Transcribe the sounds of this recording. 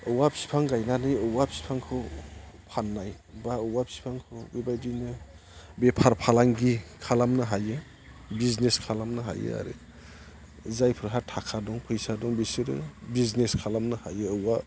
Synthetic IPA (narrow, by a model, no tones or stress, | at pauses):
ɯwabʰi̥si̥pʰaŋɡajnanɯjɯwabʰi̥spʰaŋkʰɯwpʰanːaj | baɯwabʰi̥spʰaŋkʰɯwbebajdinɯ | bepʰaɾpʰalaŋɡikʰalamnɯɦajɯ | bizneskʰalamnɯɦa̰jɯ̰a̰ɾɯ̰ | zajpʰɯɾɦatʰakʰadɔŋpʰɯjsadɔŋbisɯɾɯ̰bizneskʰalamnɯhajɯːwa